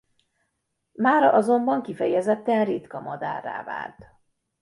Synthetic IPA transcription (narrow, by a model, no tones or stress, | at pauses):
maːɾɒʔɒzo̞mbɒŋkifɛjɛzɛt̪ːɛnrit̪kɒmɒd̪a̰ːrːa̰ːva̰ːlt̪